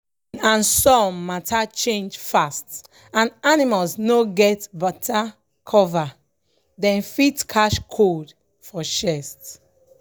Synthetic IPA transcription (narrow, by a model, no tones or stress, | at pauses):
ãnsɔmatʰat͡ʃẽnd͡ʒfast | ãnanimalsnoɡɛtbɔtʰa | kʰɔva | dɛ̃nfitkʰaʃkʰod | fɔʃɛst